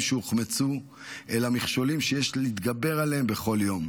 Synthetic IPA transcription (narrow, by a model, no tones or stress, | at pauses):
ʃeuχmet͡su | elamiχʃo̞limʃejeʃit̪ɡabe̞ʁaleembe̞χo̞ljo̞m